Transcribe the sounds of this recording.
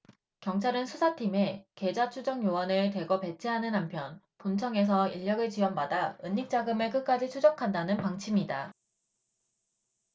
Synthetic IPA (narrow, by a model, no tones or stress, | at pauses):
kjʌŋt͡ɕʰaɾɯnsʰusʰatʰime̞ke̞d͡ʑat͡ɕʰud͡ʑʌŋjowʌnɯɭte̞ɡʌpe̞t͡ɕʰeɦanɯnampʰjʌn | punt͡ɕʰʌŋe̞s̬ʰʌiʎːʌɡɯɭt͡ɕiwʌnbadaɯɲːik̚t͡ɕ͈aɡɯmɯɭkɯk͈̚ad͡ʑit͡ɕʰud͡ʑʌkʰandanɯnpaŋt͡ɕʰimida